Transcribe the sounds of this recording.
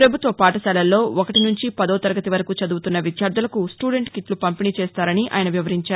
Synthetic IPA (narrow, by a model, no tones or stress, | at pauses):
pɾɐbʱut̪ʋɐpaːʈɐsɛːlɐlːo̞ːɔkɐʈinuɲt͡ʃipɐd̪ɐːt̪ɐɾɐɡɐt̪iʋɐɾɐkut͡ʃɐd̪uːt̪unːɐʋid̪jaːɾd̪ɐlɐkusʈuːɖe̞ɳʈkit̪lupɐmpiniːt͡ʃɛːst̪aːɾɐniʔʔa̰ːjɐnɐʋjiʋɐɾiɲt͡ʃaːɾ